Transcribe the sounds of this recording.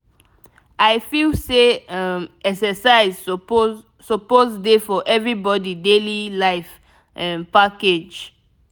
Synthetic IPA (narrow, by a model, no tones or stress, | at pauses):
ajfilseamɛksɛsaɪz | sɔpozdefɔʔɛvɹibɔdidelilaɪf | ʔɛ̃npaked͡ʒ